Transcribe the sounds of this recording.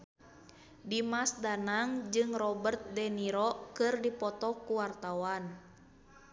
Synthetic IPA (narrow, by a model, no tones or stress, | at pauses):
dimasdanaŋd͡ʒɨŋrɔbərt̪̚dɛniɾɔkɨrdipɔt̪ɔkuwart̪awan